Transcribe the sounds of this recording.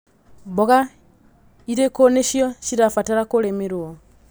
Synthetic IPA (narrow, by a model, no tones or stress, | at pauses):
bɔɣa | iɾekoneʃjɔʃiɾafataɾakolemiɾuɔ